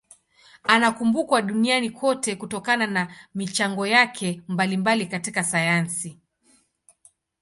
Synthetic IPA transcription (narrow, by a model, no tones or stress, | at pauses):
anakumbukwaɗunianikwɔtɛkutɔkananamit͡ʃaŋɡɔjakʰɛmbalimbalikatikasajansi